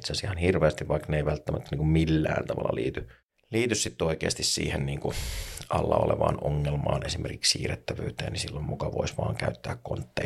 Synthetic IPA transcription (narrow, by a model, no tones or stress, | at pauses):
t̪sæsihɑnhirʋeæst̪iʋʋɑikneiʋælt̪ːæmʔæt̪ːæniːŋkummilːæ̰ːnt̪ɑʋɑlːɑlḭːt̪y | liːt̪yssit̪ːoikeːst̪issḭːhenniːŋkuʔɑlːɑoleʋɑːnoŋːelmɑːnesimʔerkikssiːret̪ːæʋøːt̪ḛːnnisilːommukɑʋoisʋɑːŋkæyt̪ːæːkkont̪ːeː